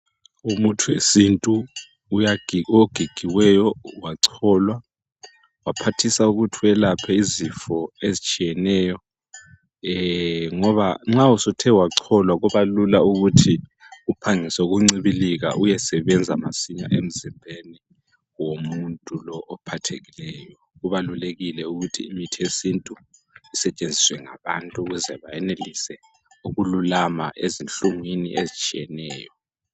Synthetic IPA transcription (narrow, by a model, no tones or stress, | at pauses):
umutʰuesintʼuː | jaɡ̥ʱoɡ̥ʱiɡ̥ʱiwɛjɔwaǀʰɔlwa | wapʰatʰisauɣutʰiɛlapʰɛizifɔezit͡ʃʼijɛnɛːjɔ | ŋɔβaŋ͡ǁausutʰɛwaǀʰɔlwaɣɔβalulauɣutʰi | upʰaŋisɛuɣuŋ͡ǀiβiliɣa̰ʔujɛsɛβɛnd͡zʱama̰siɲa̰ʔem̩zimbʱeni | womuntʼulɔʔɔpʰatʰeɣilɛːjɔɣuβaluleɣilɛuɣutʰiːmitʰiesintʼu | isɛt͡ʃʼend͡zʱiswɛŋa̰βa̰ntʼuuɣuzɛβajɛnelisɛ | uɣululama̰ʔezinɬuŋwinḭʔezit͡ʃʼijɛnɛːjɔ